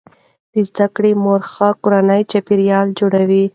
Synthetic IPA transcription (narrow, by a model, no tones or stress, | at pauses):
d̪̥əzd̪akɽemoɾxakoɾanəjt͡ʃapiɾjɑld͡ʒoɽawi